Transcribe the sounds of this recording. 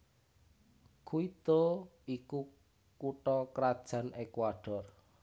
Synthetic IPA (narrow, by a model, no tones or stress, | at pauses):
kʰuit̪oiku | kuʈɔkɾad̥ʒ̥a̤nekuwaɖ̥ɔr